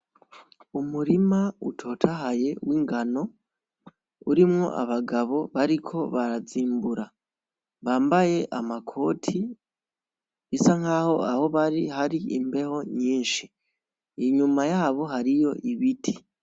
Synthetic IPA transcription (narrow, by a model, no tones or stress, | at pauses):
umuɾimaṵtʰo̞ːtʰaɦaje̞wiːŋɡano̞ | uɾimŋo̞̰ʔa̰βaɡaβo̞βaɾikʰo̞βaɾaziːmbuɾa | βaːmbaje̞ʔamakʰo̞ːtʰi | isaŋhaːho̞aho̞βaɾihaɾiimbe̞ho̞ɲiːnʃi | iɲumajaːβo̞ɦaɾijo̞ʔiβitʰi̥